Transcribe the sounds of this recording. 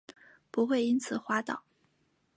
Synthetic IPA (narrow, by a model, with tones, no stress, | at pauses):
pu˧˥xwe˥˩ɪi˥nt͡sʰɹ̩˨˩xwa˥t̪ɑ˨˩˦ʊ